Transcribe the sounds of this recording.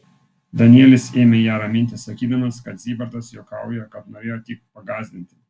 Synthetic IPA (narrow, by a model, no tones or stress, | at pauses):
d̪ɐnʲɪɛːlʲɪseːmʲɛjæːɾɐmʲɪnʲt̪ʲɪsɐkʲiːd̪ɐmɐskɐt̪zʲiːbɐɾd̪ɐsjoːkɑˑʊjɛkɐt̪noːɾʲeːjoːt̪ʲik̚pɐɡɑːzʲd̪ʲɪnʲt̪ʲɪ̥